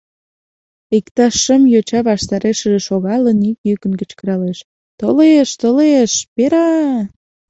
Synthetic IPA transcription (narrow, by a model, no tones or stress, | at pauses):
ikt̪ɑʃəmjot͡ɕɑβɑʃt̪ɑɾeʃəʒeʃoɣɑlənikjykənkət͡ɕkəɾɑleʃ | t̪oleʃt̪oleʃpeɾɑ